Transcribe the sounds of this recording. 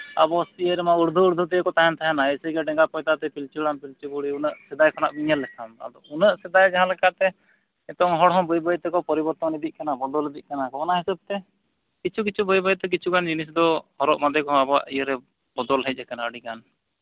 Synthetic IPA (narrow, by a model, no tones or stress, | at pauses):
a̰bɔsiəɾɛmauɾd̪ʱuːɾd̪ʱut̪ijəkɔt̪aɦɛnt̪ʰaɦɛnaɛsəɡɛɖɛŋɡapɔjt̪at̪ɛpilt͡ʃulanpilt͡ʃubuɽiunəʔsɛd̪ajkʰɔnaʔbiɲəlːɛkʰana̰d̪ɔunəʔsɛd̪ajd͡ʒaɦãlɛkat̪ɛ | ɛt̪ɔŋɦɔɽɦɔ̃bɔjbəjt̪ɛkɔpɔɾibɔɾt̪ɔnid̪iʔ̚kanabɔd̪ɔlid̪iʔ̚kanakɔkanaɦɛsəb̚t̪ɛ | kit͡ʃʰuk̬it͡ʃʰubɔjbəjt̪ɛk̬it͡ʃʰukand͡ʒinis̬d̪ɔhɔɾɔʔmad̪ɛkɔɦɔ̃abɔa̰ʔijəɾɛ | bɔd̪ɔlɦɛc̚ˀɛkanaəɽikan